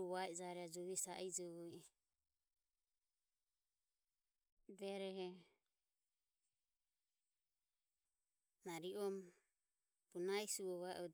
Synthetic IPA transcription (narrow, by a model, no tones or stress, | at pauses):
uβaɛd͡ʒaɾɛad͡ʒɔβisaʔid͡ʒɔβɔjɛ | dɛɾɛhɛ | naɾiɔm | bunaisuɔβaɛ̰ʔɔd